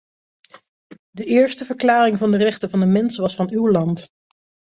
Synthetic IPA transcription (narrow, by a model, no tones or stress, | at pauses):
dəʔɪːɹstəvəɹklaːrɪŋvɑndərɛχtəvɑndəmɛnsʋɑsfɑnywlɑnt